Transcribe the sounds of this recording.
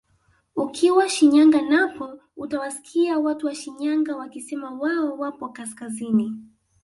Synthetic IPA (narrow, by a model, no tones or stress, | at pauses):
ukʰiwaʃiɲaŋɡanapɔ | utawasi̥kʰiawatuwaʃiɲaŋɡawakisɛmawaɔwapɔkaskazini